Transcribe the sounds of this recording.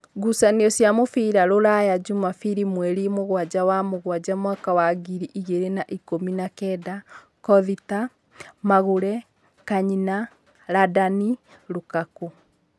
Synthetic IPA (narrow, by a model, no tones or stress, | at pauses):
ɡusaneɔsjamofiɾaɾoɾajad͡ʒumafiɾimwɛɾimoɣwad͡ʑawamoɣwad͡ʑamwakawaɡiɾiʔiɣeɾenaʔikominakɛda | kɔðita | maɣoɾɛ | kaɲina | ɾadani | ɾokako